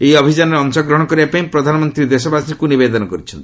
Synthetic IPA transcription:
ejɔbʱid͡ʒanɔɾeɔŋsɔɡɾɔɦɽ̃kɔɾibapaĩpɾɔd̪ʱanɔmɔnt̪ɾid̪esɔbasikunibed̪ɔnɔkɔɾit͡ʃʰɔnt̪i

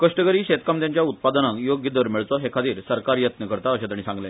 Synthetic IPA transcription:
kəʂʈəɡəɾiːɕet̪kamd̪jaɲt͡ɕjaut̪̚pad̪ənãŋkjoɡjəd̪ʋəɾmiɭt̪ɔɦekʰat̪iːɾsəɾkaɾjət̪nəkəɾt̪aəɕẽt̪aɳ̃isãŋɡlẽ

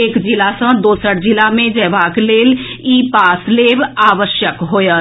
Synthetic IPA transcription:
eːkd͡ʒɪlasə̃d̪oːsəɽd͡ʒɪlamẽd͡ʒɛːʋaːkleːliːpaːsleːʋaːʋəʃjəkɦoːjəː

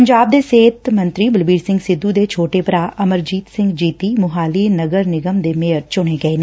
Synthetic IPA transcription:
əɲd͡ʒaːb̚d̪eːseːt̪mə̃nt̪ɾiːbəlbiːɾsɪ̃ŋɡsɪd̪ːud̪eːt͡ʃʰoːʈepɾaːʔəməɾd͡ʒiːt̪sɪ̃ŋɡd͡ʒiːt̪iːmʊɦaːliːnəɡəɾnɪɡəmd̪eːmeːəɾt͡ʃʊɽeːɡəeːn

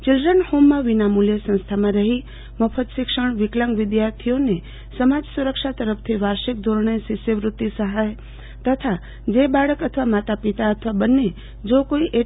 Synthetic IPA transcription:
t͡ʃɪld̪ɾənhomːãʋinamuljesə̃st̪ʰamãɾəɦi | məpʰət̪ʃɪkʂəɳ̃ʋɪkləŋɡʋɪd̪jaɾt̪ʰijone | səmad͡ʒsuɾəkʃat̪əɾəpʰt̪ʰiʋaɾʃik̚d̪ʱoɾɳesɪʃjəʋɾʊt̪ːisəɦaj | t̪ət̪ʰa | d͡ʒebaɽəkət̪ʰəʋamat̪apit̪aət̪ʰəʋabənːe | d͡ʒokoiʔe

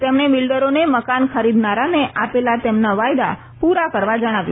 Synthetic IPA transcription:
t̪emɳeʋɪlɖəɾoneməkankʰəɾid̪naɾaneʔapelat̪emnaʋajd̪a | puɾakəɾʋad͡ʒəɽ̃aʋj

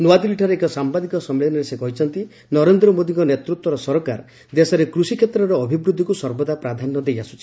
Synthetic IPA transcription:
nuat̪iliʈʰaɾeːkɔsambad̪ikɔsɔmːelɔnɔɾesekɔɦit͡ʃʰɔnt̪i | nɔɾend̪ɾɔmod̪iŋkɔnet̪ɾut̪wɔɾɔsɔɾɔkaɾ | d̪esɔɾekɾusikʰet̪ɾɔɾɔːbʱibɾud̪ʱːikusɔɾbɔd̪apɾad̪ʱanːɔd̪ejasu̥t͡ʃʰi̥

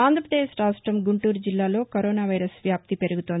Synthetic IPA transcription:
aːnd̪ʱɾɐpɾɐd̪eːʃɾaːsʈɾɐmɡuɳʈuːɾd͡ʒilːaːlo̞ːkɐɾoːnaːʋɐjɾɐsʋjaːp̚t̪ipe̞ɾuɡut̪on

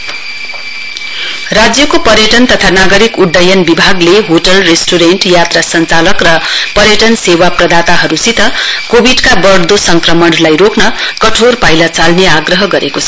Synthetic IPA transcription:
rad͡zjʌkopʌɾjʌʈʌnt̪ʌt̪ʰanaɡʌɾikuɖːʌjʌnbibʱaɡleɦoʈʌlresʈoɾeɳʈjat̪rasʌnt͡salʌkrʌpʌɾjʌʈʌnsewaprʌd̪at̪aɦʌɾusit̪ʌkobiɖkabʌrd̪osʌŋkrʌmʌnlajɾoknʌkʌʈʰorpajlat͡salneaɡrʌɦʌɡʌɾekot͡sʰʌ

